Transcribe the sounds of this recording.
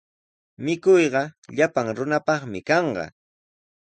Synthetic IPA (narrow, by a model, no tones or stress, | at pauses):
mɪkʊjɢɑʎapaŋɾʊnapɑχmɪkɑɴɢɑ̰